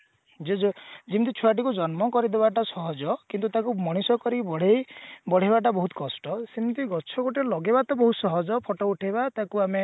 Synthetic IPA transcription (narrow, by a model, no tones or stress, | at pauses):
d͡ʒed͡ʒɔd͡ʒimt̪it͡ʃʰuaʈ̬ikud͡ʒɔnmɔkɔɾid̪ebaʈasɔɦɔd͡ʒɔkint̪̬ut̪akumɔɽ̃isɔkɔɾibɔɽ̤ejbɔɽ̤ibaʈ̬abɔɦut̪kɔsʈɔsimt̪iɡɔt͡ʃʰɔɡoʈelɔɡebat̪ɔbɔɦusɔɦɔd͡ʒɔpʰɔʈɔuʈʰebat̪akuame